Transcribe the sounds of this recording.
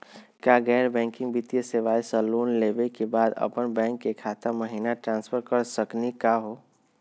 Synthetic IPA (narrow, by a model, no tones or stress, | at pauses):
kjaɡɛːɾbɛ̃ːŋkɪ̃ŋɡbit̪ijəseʋaːisəloːnleːbekebaːd̪ə̰pənbɛ̃ːŋkːekʰaːt̪aməɦinaʈɾãːnspʰəɾkəɾsəknikaɦoː